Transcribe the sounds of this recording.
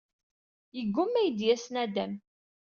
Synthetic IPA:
jəɡʷːʊmːæjəd̪jæsnæd̪æm

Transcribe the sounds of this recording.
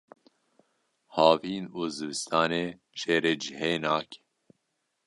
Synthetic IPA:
hɑːviːnuːzɨbɨst̪ʰɑːneː | ʃeːɾeːd͡ʒihenaːke̥

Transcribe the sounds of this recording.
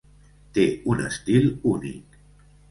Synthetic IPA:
t̪euna̰st̪ilunḭ

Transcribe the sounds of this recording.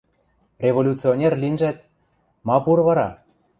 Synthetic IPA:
rʲevolʲut͡sionʲerlʲinʒæt̪̚ | mɑpuɾβɑɾɑ

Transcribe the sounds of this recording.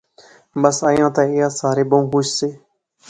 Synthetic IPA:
bəsəːjãːt̪ãːɪjaːsaːɾeːbəũːɦuʃseː

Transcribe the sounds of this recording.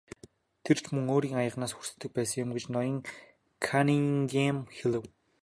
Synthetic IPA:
t̪ʰer̥t͡ɕʰmɵŋoːɾiːŋajə̆ʁnaːsxur̥sɘ̥̆t̪ʰːɘ̆k̚pæːsə̆ŋjɪ̆mɡet͡ɕnɔjɞ̆ŋ | kʰaniŋɡemxelɘ̆w

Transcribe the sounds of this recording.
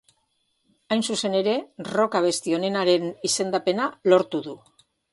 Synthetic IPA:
ajnsuse̞ne̞ɾe̞ro̞kaβ̞e̞st̪io̞ne̞naɾe̞nise̞nd̪ape̞nalo̞ɾt̪uðu

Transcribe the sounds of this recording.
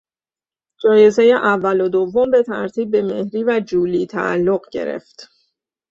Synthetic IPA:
d͡ʒɒːje̞ze̞jeʔævːælod̪ovːombe̞t̪ʰæɾt̪ʰiːb̚ːe̞me̞hɾiːvæd͡ʒuːliːt̪ʰæ̰ʔæ̰lːoɢɟe̞̰ɾḛft̪

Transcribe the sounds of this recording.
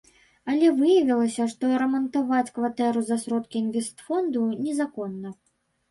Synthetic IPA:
alʲɛvɨjɐvʲilˠɐsʲɐʂt̪ɔɾɐmɐnt̪avat͡sʲkvat̪ɛɾuzɐsɾɔt̪kʲiːnvʲɛst̪fɔnd̪unʲɛzakɔnːɐ

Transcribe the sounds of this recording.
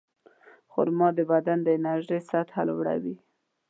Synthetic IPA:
xʊ̰ɾmɑd̪əbad̪and̪əɪnaɾʒəjsat̪ha̰lwɽa̰wi

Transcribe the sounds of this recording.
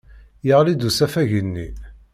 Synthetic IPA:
jəʁlid̪usæfæʝənːḭ

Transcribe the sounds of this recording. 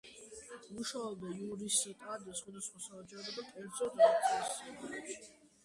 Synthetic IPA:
uʃaɔd̪ajuɾisit̪ʼad̪asχwad̪asχwasad͡ʒɛɔbɔd̪akʼɛɾd̪zɔd̪at̪ʼaisɛaɛ

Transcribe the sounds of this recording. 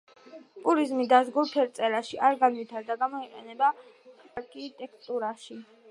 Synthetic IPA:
pʼuɾizmid̪azɡuɾpʰɛɾt̪sʼɛɾaʃiʔaɾɡanwit̪ʰaɾd̪aɡamɔiqʼɛ̰nɛba | aɾkʰit̪ʼɛkʰt̪ʼuɾaʃi

